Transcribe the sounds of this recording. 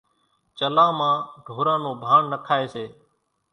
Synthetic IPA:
t͡ʃəlãːmãːɖʱoːɾãːnõːbʱaːɳːəkʰaːeːseː

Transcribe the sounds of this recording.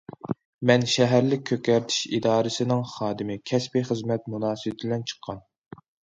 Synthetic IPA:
mɛnʃɛɦæɾlɪk̚ʲʰːøkʲːɛɾt̪ʰi̥ʃid̪ɑːɾɨsɪnɪŋχɑːd̪ɪmɪkʲʰɛspiχəzmɛt̪̚munɑːsɨwɪt̪ʰɪblɛnt͡ʃʰə̥qʰːɑn

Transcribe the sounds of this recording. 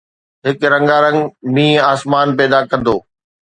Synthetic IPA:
ɦɪkɾɐ̃ŋɡaɾɐ̃ŋɡmĩːaːsmaːnpɛːd̪akɐ̃nd̪oː

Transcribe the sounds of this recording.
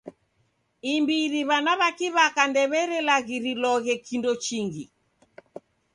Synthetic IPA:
imbiɾiβanaβakiβakandɛβɛɾɛlaɣiɾilɔɣɛkindɔt͡ʃiŋɡi

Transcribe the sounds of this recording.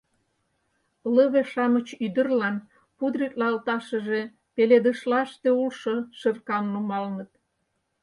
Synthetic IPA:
ləβeʃɑmət͡ɕyd̪ə̆rlɑn | pud̪ɾik̪lɑəlt̪ɑʃə̆ʒe | peled̪əʃlɑʃt̪eulʃoʃərkɑmnumɑlnət̪̚

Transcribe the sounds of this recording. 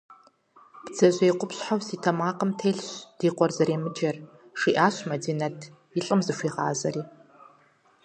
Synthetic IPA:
b̥d͡zɐʑʷejqʷʊpɕħawsiːtʰɐmaːqəmtʰeːɮɕd̥iːqʷɔrzɐɾeːmɨd͡ʒɐr | ʂiʔaːɕmɐdiːnɐtʰ | iɬʼɨmzɨʃʷiːʁa̰ːzɐriː

